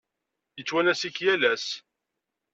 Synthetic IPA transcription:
jət͡sːwænæsiçjælæs

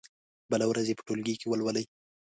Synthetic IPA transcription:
bəlawɾazepə̥ʈolɡikewəlwaləj

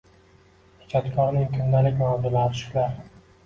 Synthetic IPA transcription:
ʊ̥t͡ʃʰat̪kʲʰɒɾnɪŋt̪ʰʊnd̪alɪkʲmɒd̪ɪlaʃɪ̥laɾ

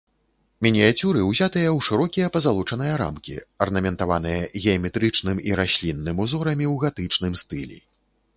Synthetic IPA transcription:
mʲinʲiat͡sʲuɾɨwzʲat̪ɨjɐwʂɨɾɔkʲijɐpɐzalˠut͡ʂɐn̪ɨjɐɾa̰mkʲḭɐrnɐmʲɛnt̪avan̪ɨjɐɣʲɛɐmʲɛt̪ɾɨt͡ʂn̪ɨmiɾasʲlʲinːɨmuzɔɾɐmʲiwɣat̪ɨt͡ʂnɨmst̪ɨlʲḭ

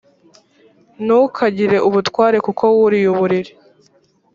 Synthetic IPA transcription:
nukʰaɟiɾe̞ʔuβutwaːɾe̞kukʰo̞wuɾijuβuɾiɾi̥

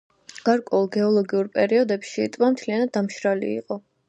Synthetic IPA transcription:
ɡ̥aɾkʼwɛulˠɡɛɔlˠɔɡiuɾpʼɛɾiɔd̪ɛpʃit̪ʼvamt̪ʰlianad̪̚dːamʃɾalḭːqʼɔ

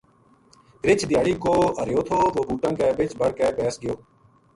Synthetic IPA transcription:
ɾɪt͡ʃʰd̪ɪjaːɽiːkoːəɾjoːt̪ʰoːʋoːbuːʈə̃ːkɛːbɪt͡ʃʰbəɽkɛːpɛːsɡɪjoː

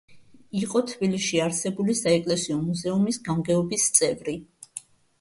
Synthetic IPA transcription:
iqʼɔt̪ʰbiliʃiaɾsɛbulisaɛkʼlɛsiɔmuzɛumisɡamɡɛɔbist̪sʼɛvɾi

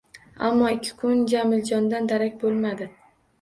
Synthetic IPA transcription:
a̰mːɒɪkʲʰːɪ̥kʰʊnd͡ʒamɪld͡ʒɒnd̪and̪aɾakʲbolˠmad̪ɪ

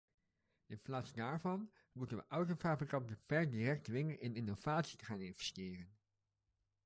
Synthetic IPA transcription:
ɪnplaːtsdaːɹvɑn | mutənʋə̰ʔʌwtofaːbrikɑntəvɛɹdiːrɛk̚tʋɪŋənɪnɪnov̥aːtsitəχaːnɪnvɛ̥stɪːrən

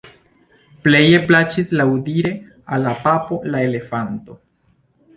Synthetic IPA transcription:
ple̞je̞plat͡ʃislawudiɾe̞ | alːapapo̞laele̞fanto̞

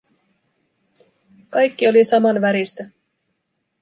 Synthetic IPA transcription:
kɑjkːio̞lisɑmɑnʋæɾist̪æ

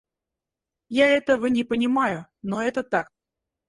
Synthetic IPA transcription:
jaɛt̪əvənʲɪpənʲɪmajʊnoɛt̪ət̪ak̚

